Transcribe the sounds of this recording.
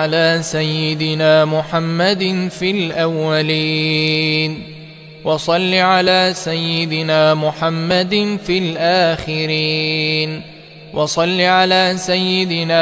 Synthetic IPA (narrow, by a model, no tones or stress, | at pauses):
alaːsajːɪd̪ɪnaːmʊħamːad̪nfilʔawːaliː | n | wɑsˤɑlːiːʕalaːsajːɪd̪ɪnaːmʊħamːad̪fiːlʔaːxɪɾiːn | wɑsˤɑlːiʕalaːsajːɪd̪ɪnaː